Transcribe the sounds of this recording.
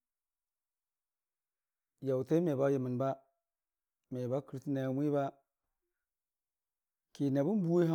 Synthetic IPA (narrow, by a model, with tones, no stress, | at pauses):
ja˨wte˦me˨ba˦ji˨mi˨n˨ba˦ | me˨ba˦ki˨ɾtna˨jmʷ˦i˦βa˦ | ki˨na˨bu˦n˦bu˦e˦ɦa˦